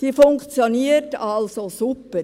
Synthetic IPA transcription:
d̥iːfʊŋkt͡sjoniːətɑlsosupə

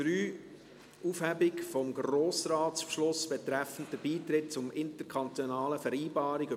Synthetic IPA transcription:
ɾyː | ufhæbɪkfɔmɡroːsɾaːtspʃlʊsb̥ɛtɾɛfən̩tdəb̥iːtɾɪt̚t͡sʊmɪntəɾkʰɑnt̪ɔnɑːləfɛɾiːbɑːɾiɡ

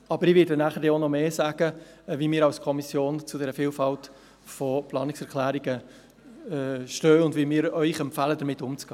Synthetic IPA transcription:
ɑbəɾɪʋɪdənæχəɾeonɔmeːsæːɡ̥ə | vimɪːɾɑwskʰɔmisjoːnt͡sʊdɛɾəfiːlfɑlt | fɔplɑːnɪksɛɾkʰlæːɾiɡə | ʃtøːʊndvimɪːɾœʏχɛmpfæːlədəɾmɪtːʊmt͡sɡ̥ɑː

